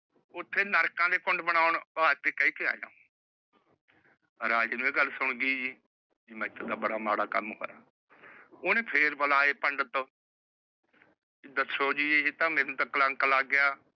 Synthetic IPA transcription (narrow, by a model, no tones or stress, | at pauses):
ʊt̪ʰːeːnəɾkãːd̪eːkʊɳɖbəɽaːʊɳbaːt̪eːkəiːkʰɪa̰ːd͡ʒa̰ː | ɾaːd͡ʒeːnũːẽːɡəlsʊɳɡiːd͡ʒiː | d͡ʒiːmɛ̃ːɪt̪ʰːəd̪aːbəɽaːmaːɽaːkə̰mɦo̰ːɾaː | oːnẽːpʰeːɾbəlaːeːpəɳɖət̪oː | ɪd̪ət̪soːd͡ʒiːeːd͡ʒit̪ãːmɛ̃ːnũːt̪ãːkələŋklaːɡɪjaː